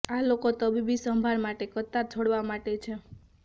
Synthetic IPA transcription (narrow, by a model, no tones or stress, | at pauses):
alokot̪əbibisəmbʱaɾmaʈekət̪ːat͡ʃʰoɽʋamaʈet͡ʃʰe